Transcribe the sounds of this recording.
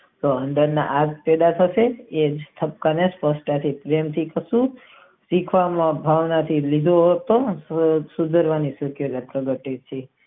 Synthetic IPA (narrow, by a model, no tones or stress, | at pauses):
t̪oəɳɖəɾna̰ʔaɡpɛd̪at̪ʰəʃeed͡ʒt̪ʰəp̚kanespəsʈat̪ʰipɾemt̪ʰikəsũ | sikʰʋamãbʱaʋnat̪ʰilid̪ʱoɦot̪o | sud̪ʱəɾʋanisəkjuɾat̪̚ɾəɡəʈed̪̚t͡ʃʰe